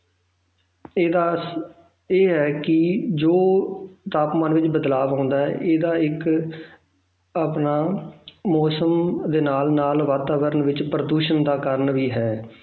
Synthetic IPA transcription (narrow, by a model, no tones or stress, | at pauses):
a | eːɦɛːkɪd͡ʒoːt̪aːpmãːnʋɪt͡ʃbəd̪laːʋɦãːnd̪aːɦɛ̰ːʔeːd̪aːɪk | əpnaːmɔːsəmd̪eːnaːlnaːlʋaːt̪aːʋəɾənʋɪt͡ʃpɾəd̪uːʃənd̪aːkəɾəɳʋiːɦɛː